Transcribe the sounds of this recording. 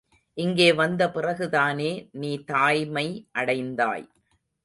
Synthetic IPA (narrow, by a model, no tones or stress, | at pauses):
ʔɪŋɡeːʋɐnd̪ɐpɪrɐɣɯðaːneːniːt̪aːjmɐɪʔɐɽɐɪnd̪a̰ːj